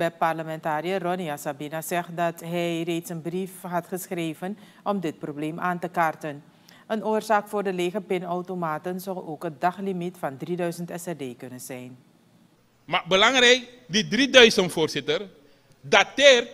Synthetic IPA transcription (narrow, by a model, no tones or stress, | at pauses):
bɛpɑrləmɛntaːɾijərɔniasabinazɛχdɑtɦɛjrejtsənbrifɦɑtχəsχrejvən | ɔmdɪt̚probleːmʔaːntəkartən | ənoːrzaːkfʊːrdəleːχəpɪnɔwtomaːtənzɔwoːkɦət̚dɑχlimitfɑndridœɥzəntɛsɛdeːkɵnənzɛjn | mabəlɑŋɾɛjk̚ | didridœɥzəntfoːrzɪtər | dateːr